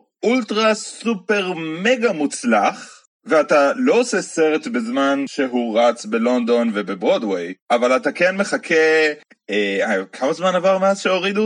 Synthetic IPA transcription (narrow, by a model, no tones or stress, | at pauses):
ultʁasupe̞ʁmeɡamut͡slaχ | veatalo̞oseseʁet̪bezmanʃeɦuʁat͡sbelo̞nd̪o̞nvebebʁo̞d̪wejʔavalatakenme̞χakʰe | eakʰamazmanavaʁmeazʃeoʁidu